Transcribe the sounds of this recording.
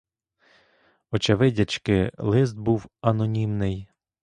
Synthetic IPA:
ɔt͡ʃɐʋɪdʲɐt͡ʃkɪlˠɪzd̪̚buwɐnɔnʲimnɪj

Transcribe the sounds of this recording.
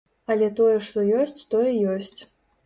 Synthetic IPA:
ɐlʲɛt̪ɔjɛʂt̪ɔjɔsʲt͡sʲt̪ɔjɛjɔsʲt͡sʲ

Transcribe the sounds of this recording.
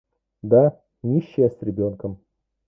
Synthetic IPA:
d̪a | nʲiɕːjəsʲɾʲɪbʲo̞nkəm

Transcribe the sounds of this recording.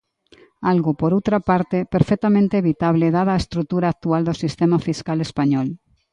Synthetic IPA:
alɣopoɾowt̪ɾapaɾt̪epeɾfɛk̚t̪amẽnt̪eeβit̪aβleðaðaːest̪ɾut̪uɾaːk̚t̪uald̪osist̪emafiskalespaɲɔl

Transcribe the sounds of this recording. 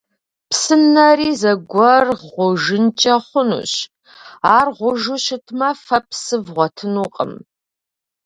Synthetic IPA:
psɨnːɐriːzɐɡʷɔrʁʷʊʒɨnt͡ʃʼɐχʷʊnṵɕ | aːrʁʷʊʒʊʃɪtʰmɐfɐpsɨvʁʷɔtʰɨnuqʼə̰m

